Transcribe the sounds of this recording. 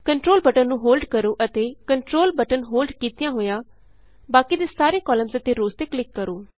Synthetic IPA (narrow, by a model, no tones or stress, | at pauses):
kəɳʈɾoːlbəʈənnũːɦoːlɖkəɾoːʔət̪eːkəɳʈɾoːlbəʈənɦoːlɖkiːt̪ɪjãːɦoːjãː | baːkiːd̪eːsaːɾeːkɔːləmzət̪eːɾoːzt̪eːklɪkːəɾoː